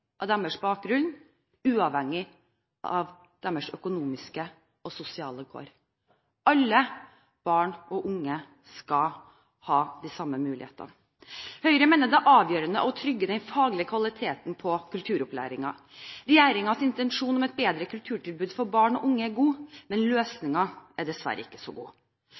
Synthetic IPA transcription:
ʔɑd̪æməʂbɑːk̚ɡɾʉn | ʉːɑʋhɛŋːɪ | ʔɑʋ | d̪̥æməʂœkʊnuːmɪskə | ɔsʊsɪɑːləɡo̰ːɾ | ɑlːə | b̥ɑːɳɔʔʊŋːə | skɑ | hɑːd̪isɑmːəmʉːlɪ̰hḛːt̪ɑ̰ | hœʏɾəmeːnəd̪ɛæʔɑːʋjøːɾənə̰ʔɔt̪ʰɾʏɡːəd̪ɛnfɑːɡlɪəkʰʋɑlɪt̪ʰeːt̪n̩pʰɔkʰʉlt̪ʰʉːɾɔplæ̰ːɾɪŋɑ | ɾɛjeːɾɪŋɑsɪnt̪ɛnʂuːnɔmɛt̪̚beːd̪ɾəkʰʉlt̪ʰʉːʈɪlbʉːd̪fɔɾbɑːɳɔʔʊŋːəæɾɡuːmɛnløːsnɪŋɑæɖɛsʋæ̰ɾʔəɪkːə̥sɔ̰ɡṵː

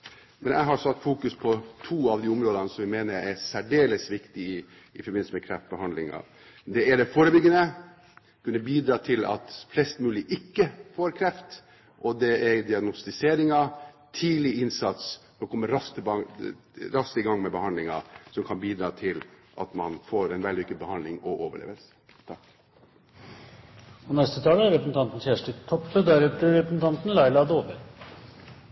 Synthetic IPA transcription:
mɛnæ̰ɦɑɾsɑt̪ːfuːkʉspʰɔt̪ʰuːɑʋd̪iːʊmɾoːd̪ɑnəsɔmʋɪmeːnəɾɛsæɖeːləsʋɪkt̪ɪɪː | fɔɾbɪn̩səmɛkʰɾɛft̪̚bəhɑnd̪lɪŋɑ̰ | d̪ɛɛɖɛfoːɾəbʏɡːənə | kʉnːəbiːd̪ɾɑːt̪ʰɪlɑ̰t̪flɛst̪mʉːlɪʔɪkːəfoːɾkʰɾɛft̪ | ʔɔd̪ɛɛɾd̪ɪɑɡnʊst̪ɪseːɾɪŋɑ | t̪ʰiːlɪɪnsɑt̪s | ɔkʰɔmːəɾɑst̪əbɑ | ɾɑst̪əɪɡɑŋːmɛbəhɑnd̪lɪŋɑ̰sɔmkʰɑnbiːd̪ɾɑːt̪ʰɪlʔɑ̰t̪mɑnfoːɾɛnʋɛld̪ɪʋɪkːəd̪bəhɑnd̪lɪŋɔʔoːʋəɭḛːʋəlsə̥ | t̪ʰɑk | ɔnɛst̪ət̪ʰɑːləæɾɾɛpɾəsn̩t̪ɑnt̪n̩çæːʂʈət̪ʰːɔpːəd̪æɾɛt̪əɾɛpɾəsn̩t̪ʰɑnt̪n̩lɑɪlɑd̪oːʋəɾ

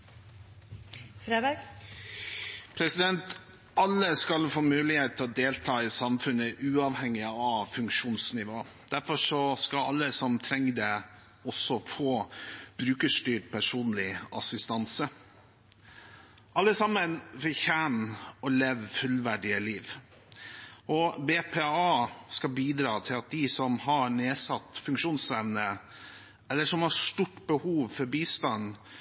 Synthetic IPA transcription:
fɾeːb̪eɡ | pʰɾɛsɪd̪ɛnt̪ | ɑlːəskɑlfoːmʉːlɪheːt̪ʰːɪlɔd̪eːlt̪ʰɑːɪsɑmfʉnəʔʉːɑʋhɛŋːɪəɑʋfʉŋkʂuːnsnɪʋoː | d̪̥æɾfɔʂɔskɑlɑlːəsɔmt̪ʰɾɛŋːd̪ɛ | ɔsɔfoːb̥ɾʉːkəʂt̪yːʈpʰæʂuːnlɪɑ̰sɪst̪ɑnsə | ʔɑlːəsɑmənʋɪçæːnɔleːʋfʉlʋæɖɪəliːʋ | ʔɔbeːpʰeːɑːskɑbiːd̪ɾɑːt̪ʰɪlɑt̪̚d̪ɪsɔmɦɑneːsɑt̪ːfʉŋkʂuːnsɛʋnə | ɛlːəʂɔmhɑʂt̪uʈːbəhuːʋfɔɾbiːst̪ɑn

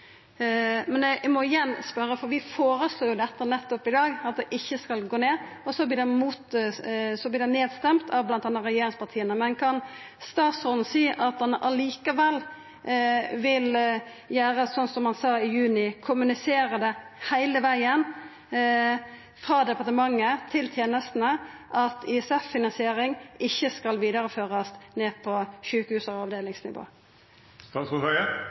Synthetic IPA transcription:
mɛnɛmɔɪjɛnspœɾːəfɔɾʋɪfoːɾəsloːjʊd̪ɛt̪ːənɛt̪ːɔpɪd̪ɑːɡɑt̪̚d̪ɛʔɪçːəskɑlɡoːneːɔsɔblɪːd̪ɛmuːt̪sɔblɪːd̪ɛneːd̪st̪ɛmt̪ʰɑʋblɑnt̪ɑnːəɾɛjeːɾɪŋspʰɑt̪ʰiːənəmɛnkʰɑn | st̪ɑːt̪sɔɾd̪n̩siːʔɑt̪̚d̪ɛnʔɑliːkəʋɛlː | ʋɪl | jæːʁəsɔnsɔmhɑnsɑːɪjʉːnɪkʰʊmʉnɪseːɾəd̪ɛ | hæɪləʋæɪən | fʁɑːd̪ɛpɑʁt̪əmɑŋːət̪ʰɪlt̪ʰjeːnəst̪n̩əʔɑt̪ɪɛsɛfːɪnɑnsɪeːɾɪŋɪçːəskɑlʋiːd̪ɑɾəføːʁɑsneːpʰɔʃʉːkəhʉːsəʁɔɑʋd̪eːlɪŋsnɪ̰ʋo̰ː | st̪ɑsɔɑə

